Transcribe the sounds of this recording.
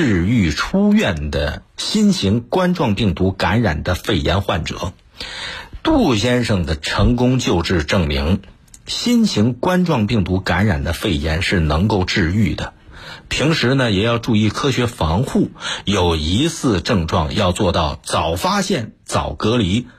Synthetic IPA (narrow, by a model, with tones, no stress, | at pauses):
ɻ̩˥˧y˥˩ʈ͡ʂʰu˥ɥɛ˥˩nd̪ə̰˩ɕi˥nɕʰi˧˥ŋkwa˥nʈ͡ʂwɑ˥˧ŋpi˥˩ŋt̪u˧˥ka˧˥nɻa̰˨˩nd̪ə˦fe˥˩ɪjɛ˧˥nxwa˥˩nʈ͡ʂɤ̰˨˩˦ | t̪u˥˩ɕjɛ˥nʂɤ˥˩ŋd̪ə˩ʈ͡ʂʰɤ˧˥ŋkʊ˥ŋt͡ɕjo˥˧ʊʈ͡ʂɻ̩˥˧ʈ͡ʂɤ˥˩ŋmi˧˥ŋ | ɕi˥nɕʰi˧˥ŋkwa˥nʈ͡ʂwɑ˥˧ŋpi˥˩ŋt̪u˧˥ka˧˥nɻa̰˨˩nd̪ə˦fe˥˩ɪjɛ˧˥nʂɻ̩˥˩nɤ˧˥ŋko˥˧ʊʈ͡ʂɻ̩˥˧y˥˩d̪ə˩pʰi˧˥ŋʂɻ̩˧˥nə˧˨jɛ˨˩jɑ˥˧ʊʈ͡ʂu˥˧i˥˩kʰɤ˥ɕɥɛ˧˥fɑ˧˥ŋxu˥˩jo˨˩ʊi˧˥sʰɹ̩˥˧ʈ͡ʂɤ˥˧ŋʈ͡ʂwɑ˥˧ŋjɑ˥˧ʊt͡swɔ˥˧t̪ɑ˥˩ʊt͡sɑ˨˩ʊfa˥ɕjɛ˥˩nt͡sɑ˨˩ʊkɤ˧˥li˧˥